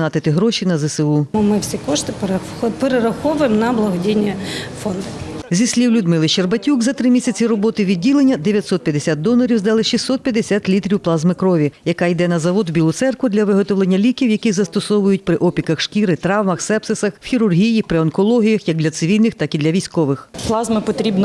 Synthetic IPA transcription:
nɑt̪ɪt̪ɪɦɾɔʃinɐzɛseumɪwsʲikɔʃt̪ɪp | peɾeɾɐxɔʋʊjemnɐblˠɐɦɔdʲijnʲːifɔnd̪ɐzʲisʲlʲiwlʲʊd̪mɪlˠɪt͡ʃerbɐtʲukzɐt̪ɾɪmʲisʲɐt͡sʲiɾɔbɔt̪ɪʋʲidʲːilˠenʲːɐd̪eʋʲjɐt̪sɔt̪̚pʲjɐd̪esʲat̪̚d̪ɔlˠɐɾʲiwzd̪ɑlˠɪʃisːɔt̪̚pʲjɐd̪esʲat̪ʲlʲit̪ɾʲiwplˠɑzmɪkɾɔʋʲijɐkɑjd̪ɛnɐzɐʋɔd̪wbʲilˠʊt̪sɛrkʋʊd̪lʲɐʋɪɦɔt̪ɔʋlˠenʲːɐlʲikʲiwjɐkʲizɐst̪ɔsɔʋʊjʊt̚ʲpɾɪʔɔpʲikɐxʃkʲiɾɪt̪ɾɑwmɐxsɛpsɪsɐxwxʲiɾʊrɦʲijipɾɪɔnkɔlˠɔɦʲijɐxjɐɡ̚d̪lʲɐt̪sɪʋʲilʲnɪxt̪ɑkid̪lʲɐʋʲisʲkɔʋɪxplˠɑzmɪpɔt̪ɾʲibnɔ

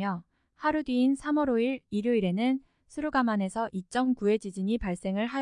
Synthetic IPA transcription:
jʌ | haɾudɥiːnsʰamʌɾoiɾiɾjoiɾe̞nɯn | sʰɯɾuɡamane̞sʰʌʔit͡ɕ͈ʌmkue̞d͡ʑid͡ʑiɲipaɭs͈e̞ŋɯɭɦa

